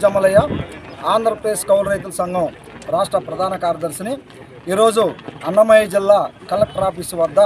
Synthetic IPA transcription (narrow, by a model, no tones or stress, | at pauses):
d͡ʒɐmɐlɐjɐaːnd̪ɐɾɐpɾeːskɐwlɾɐjt̪̬ulɐsɐŋɡɐm | ɾaːʂʈɾɐpɾɐd̪ʱaːnɐkaːɾjɐd̪ɐɾsini | iːɾo̞ːd͡ʒuɐnːɐmɐjid͡ʒilːaːkɐlɐp̚ʈɐɾaːpisiʋɐd̪ːɐ